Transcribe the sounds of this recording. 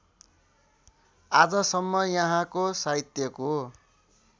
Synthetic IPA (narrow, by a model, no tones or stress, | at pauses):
ad͡zʌsʌmːʌjʌɦãkosait̪jʌko